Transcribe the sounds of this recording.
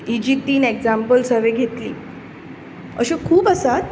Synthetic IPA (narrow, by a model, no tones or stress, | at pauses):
id͡ʑik̚t̪iːneɡd͡zampəlsəɾʋeɡʱet̪lḭː | ə̰ɕẽkʰuːpəsat̪